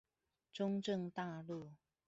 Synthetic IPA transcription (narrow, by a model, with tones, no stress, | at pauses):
ʈ͡ʂʊ˥ŋʈ͡ʂə˥˨ŋt̪a˥˧lu˥˨